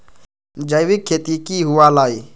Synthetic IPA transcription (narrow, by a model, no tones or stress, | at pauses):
d͡ʒəjʋɪkʰːeːt̪iːkiːɦʊʋaːlaːiː